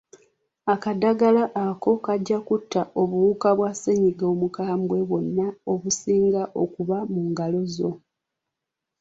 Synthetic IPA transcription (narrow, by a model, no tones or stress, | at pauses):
akadaɡalaʔːko̞kaɟːakutːao̞βuukaβwaseɲiɡomukaːmwe̞βo̞nːao̞βusiːŋɡaʔo̞kuβamuŋɡalo̞zo̞